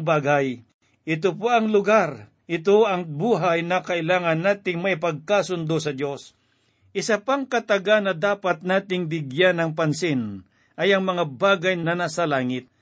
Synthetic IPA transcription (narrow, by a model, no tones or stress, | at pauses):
baːɡaj | ʔɪt̪̬opoɐŋlʊɡaɾ | ʔɪt̪oʔɐŋbuːɦajnɐkɐʔɪlaːŋɐnːaːt̪ɪŋmɐʔɪpɐɡ̚kaːsʊnd̪osɐd̪jo̞s | ʔɪsapaŋkɐt̪ɐɡanɐd̪aːpat̪̚naːt̪ɪŋbɪɡjanɐŋpɐnsɪn | ʔɐjɐŋmɐŋabaːɡɐjnnɐnasɐlaːŋɪt̪̚